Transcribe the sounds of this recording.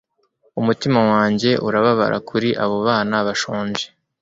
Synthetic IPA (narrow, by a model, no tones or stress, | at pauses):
umutimawaːɲɟe̞ʔuɾaβaβa̰ɾʔa̰kʰuɾiʔaβo̞βaːnaβaʃoːɲʒe